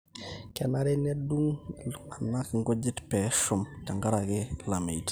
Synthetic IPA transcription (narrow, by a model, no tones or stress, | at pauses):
kɛnaɾɛnɛduŋanakŋɡɔd͡ʒitpɛʃumt͡ʃaŋɡaɾaɡelamejt